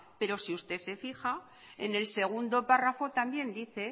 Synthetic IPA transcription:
pe̞ɾo̞siust̪e̞se̞fixa | ḛne̞lse̞ɣ̞und̪o̞parafo̞t̪ambje̞nd̪iθe̞

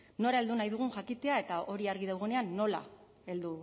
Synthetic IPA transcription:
no̞ɾae̞ld̪unajðuɣ̞uŋʝakit̪e̞ae̞t̪aʔo̞ɾiaɾɣiðawɣ̞e̞ne̞anːo̞la̰ | e̞ld̪u

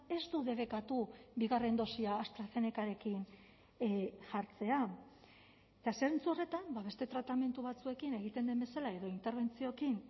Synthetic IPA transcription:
e̞zt̪uðe̞β̞e̞kat̪ubiɣare̞nd̪o̞siaːst̪ɾaθe̞nekaɾe̞kin | ʝaɾt͡se̞a | et̪aseɾent͡suore̞t̪ambaβe̞st̪e̞t̪ɾat̪ame̞nt̪uβ̞at͡sue̞kine̞ɣit̪e̞nd̪embe̞salae̞ðo̞int̪e̞ɾβ̞e̞nt͡sio̞kin

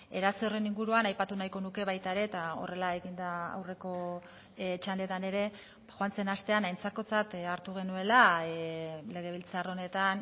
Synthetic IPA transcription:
eɾat͡sore̞niŋɡuɾuanajpat̪unajko̞nuke̞βajt̪aeɾe̞t̪ao̞̰re̞lae̞ɣind̪aa̰wre̞ko̞ | t͡ʃand̪le̞t̪ane̞ɾe̞ | xoant͡se̞nast̪e̞anajnt͡sako̞t͡sat̪aɾt̪uɣ̞e̞nue̞la | le̞ɣ̞e̞β̞ilt͡saro̞ne̞t̪an

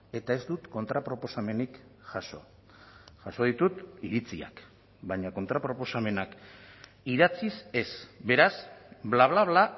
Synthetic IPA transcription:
e̞t̪ae̞zd̪ut̪ko̞nt̪ɾapɾo̞po̞same̞nikʝaso̞̰ | ʝaso̞ð̞it̪ut̪iɾit͡sia̰k | baɲako̞nt̪ɾapɾo̞po̞same̞nak | iðat͡sise̞sbe̞ɾasblaβlaβla

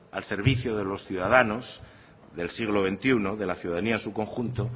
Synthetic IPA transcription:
alse̞ɾβ̞iθjoðe̞lo̞sθjuðaðano̞s | ðe̞lsiɣ̞lo̞βe̞nt̪iuno̞ðe̞laθjuðaðaniasuko̞ŋxunt̪o̞

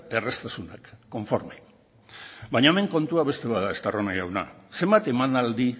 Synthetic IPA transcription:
e̞rest̪asuna̰kːo̞ɱfo̞ɾme | baɲaeme̞ŋko̞nt̪uaβest̪e̞βaðaest̪aronajʝawna̰se̞mbat̪e̞manald̪i

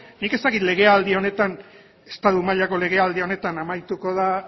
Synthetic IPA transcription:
nike̞st̪akit̪le̞ɣe̞ald̪io̞ne̞t̪an | e̞st̪aðumaʎako̞le̞ɣ̞e̞ald̪io̞ne̞t̪anamajt̪uko̞ð̞a

